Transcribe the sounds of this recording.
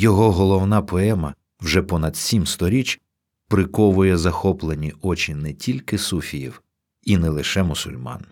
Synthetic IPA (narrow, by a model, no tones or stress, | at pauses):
jɔɦɔɦɔlˠɔwnɑpɔɛmɐ | wʒɛpɔnɐd̪̥sʲimst̪ɔɾʲit͡ʃʲ | pɾɪkɔʋʊjɛzɐxɔplˠenʲiɔt͡ʃʲinɛtʲilʲkɪsufʲijiw | inɛlˠɪʃɛmʊsʊ̰lʲmɑ̰n